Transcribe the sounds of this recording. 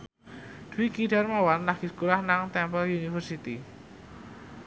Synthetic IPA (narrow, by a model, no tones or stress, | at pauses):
d̪̥uwiɡiɖarmawanlaɡ̥iskulahnaŋt̪ɛmpəlunifərsit̪i